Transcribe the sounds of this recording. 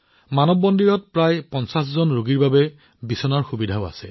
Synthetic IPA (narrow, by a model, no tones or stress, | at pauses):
manɔbːɔndiɹɔt̚pɹajpɔnsas̬zɔnɹoɡiɹbabɛ | bisɔnaɹxubidʱaʊa̰sɛ̰